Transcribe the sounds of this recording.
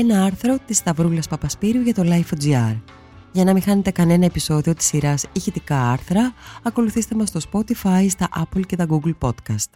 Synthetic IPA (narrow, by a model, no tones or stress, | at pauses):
e̞nɐɐɾθɾo̞t̪ist̪ɐvɾulɐspɐpɐspiɾiuʝɐt̪o̞lɐjfod͡ziɐɾ | ʝɐnɐmixɐne̞t̪e̞kɐne̞nɐe̞piso̞ðio̞t̪i̥sːiɾɐsiçit̪ikɐɐɾθɾɐːko̞luθist̪e̞mɐst̪o̞spo̞t̪ifɐjst̪ɐʔɐplce̞t̪ɐɡuɡlpo̞t̪kɐst̪